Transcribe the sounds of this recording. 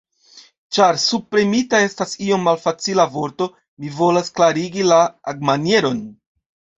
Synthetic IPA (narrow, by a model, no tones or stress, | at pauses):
t͡ʃaɾsupɾemitae̞stasio̞mːalfat͡silavo̞ɾto̞ | mivo̞lasklaɾiɡilaːɡmanje̞ɾo̞n